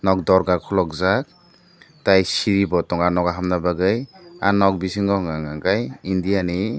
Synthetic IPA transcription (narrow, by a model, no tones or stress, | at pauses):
nɔk̚dɔɾɡakʰɔlɔk̚zak̚ | tajsiɾibɔtɔŋanɔɡaɦamnabaɡɯja̰nɔk̚bisiŋɡɔŋaŋaŋɡajindijani